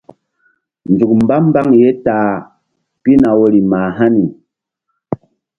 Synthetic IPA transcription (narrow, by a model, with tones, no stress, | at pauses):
n˨d͡zu˨k̚m̩˨ba˦m˦ba˦ŋje˦taː˨˦ | pi˦na˨wo˦ɾi˨ma˨ɦa˦ni˨